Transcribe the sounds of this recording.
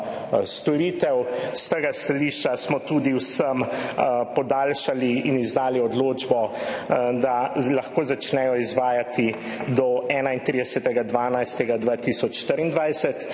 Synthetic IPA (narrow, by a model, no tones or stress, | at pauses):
st̪ɔɾiːt̪ɛwst̪əːɡast̪aliːʃt͡ʃasmɔt̪uːd̪iwsəmpɔd̪aːlʃaliːnizd̪aːliɔd̪loːd͡ʒbɔ | d̪alaxkoːzat͡ʃnɛjɔizʋaːjat̪i | d̪ɔɛːnaint̪ɾiːd̪ɛsɛt̪ɛɡad̪ʋaːnajst̪ɛɡad̪ʋaːt̪isɔt͡ʃʃt̪əɾind̪ʋajsɛt̪